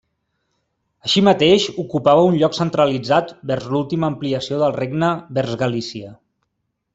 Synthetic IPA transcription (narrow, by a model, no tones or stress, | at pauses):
əʃimət̪eʃukupaβəunʎɔksənt̪ɾəlid͡zat̪bɛɾzlulˠt̪iməːmpliəsioðəlˠreɡnəβɛɾzɣəlisiə